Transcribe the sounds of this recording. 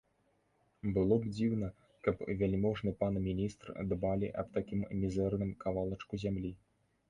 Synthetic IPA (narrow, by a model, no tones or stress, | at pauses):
bɨlˠɔbd͡zʲiwnɐ | kɐpvʲalʲmɔʐnɨpanɐmʲinʲist̪r̰d̪balʲiʔɐ̰pt̪akʲimmʲizɛrnɨmkavalˠɐt͡ʂkuzʲamlʲi